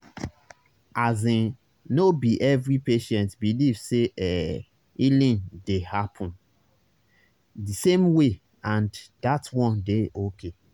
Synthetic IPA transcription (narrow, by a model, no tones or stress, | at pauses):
ʔazĩ | nobiʔɛvɾipeʃɛ̃ntbilivseʔɛ | ilĩndehapʰɔ̃n | disẽmwe | ãndatwɔ̃ndeʔokʰe